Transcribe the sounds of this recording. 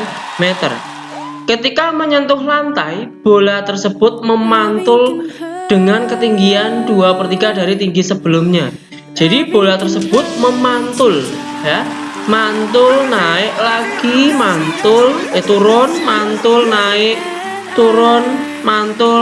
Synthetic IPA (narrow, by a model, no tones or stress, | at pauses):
met̪ə̰r | kət̪ikaməɲənt̪ʊhlant̪ajb̥olat̪ərsəb̥ʊt̪̚məmant̪ʊld̥əŋankət̪iŋɡiand̥uapərt̪ikad̥aɾit̪iŋɡisəb̥ə̤lʊmɲa | d͡ʒ̥a̤dib̥olat̪ərsəb̥ʊt̪̚məmant̪ʊl | ja | mant̪ʊlnaɪʔlaɡ̥imant̪ʊlt̪uɾʊnmant̪ʊlnaɪʔ | t̪uɾʊn | mant̪ʊ